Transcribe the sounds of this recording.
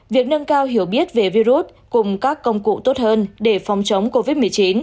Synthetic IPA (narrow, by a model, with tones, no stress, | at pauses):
vi˨˩ək̚nə˧nkaː˧wɦi˧˩əwɓi˦˥ət̚ve˨˩vi˧zu˦˥t̚ | kʊ˨˩ŋ͡mkaː˦˥kːə˧wŋ͡mkṵ˧˨t̪o˦˥t̚həː˧nɗe˧˩fɔ˨˩wŋ͡mt͡ɕə˨˦wŋ͡mko˧vi˦˥t̚mɨ˨˩əjt͡ɕi˨˦n